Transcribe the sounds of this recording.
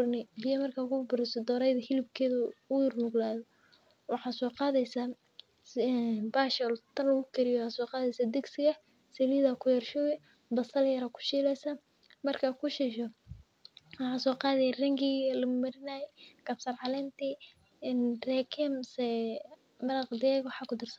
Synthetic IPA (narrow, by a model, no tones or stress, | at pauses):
ʊrnɪbɪjɐmɐrkʰaːkʰʊbʊɾɪsɔd̪ɔːɾɛjðɐhɪlɪb̚kʰɛːðɐʊjʊrmʊɡlaːðɔ | wɑħɑːsɔːqɑːðɛjsa | baːʃɛlt̪ʰɐnlɐɣʊkʰɛɾɪjɔaːsɔːqɑːðɛjsaːd̪ɛɡsɪɣɐ | sɛliðɐkʰʊjɐrʃɔːjɛ | bɐsɐljɐɾakʰʊ̥ʃiːlɛjsɐ | mɐrkʰɐkʰʊʃɪʃɔ | wɑħɑːsɔːqɑːðɛjɐrɐŋɡiɣlɐmʊmɐɾɪnaːjɛkɐbsɐrʕɑlɛːnt̪ʰi | nrɛːkʰɪmsɛ | mɐlɑqd̪ɪɛɣwɑħɑːkʰʊd̪ɪrsɐn